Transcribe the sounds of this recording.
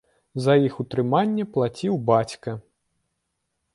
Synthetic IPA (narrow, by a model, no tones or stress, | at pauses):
zɐjixut̪ɾɨmanʲːɛplˠat͡sʲiwbat͡sʲkɐ